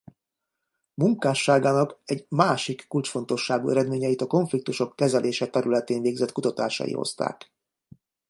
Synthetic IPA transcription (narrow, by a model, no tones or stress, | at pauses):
muŋkaːʃːaːɡaːnɒkɛɟmaːʃikːult͡ʃfo̞nt̪o̞ʃːaːɡṵɛɾɛd̪meːɲɛjit̪ɒko̞ɱflik̚t̪uʃo̞kːɛzɛlʔeːʃɛt̪ɛɾylɛt̪eːnveːɡzɛt̪kut̪ɒt̪a̰ːʃɒ̰jḭho̰st̪a̰ːk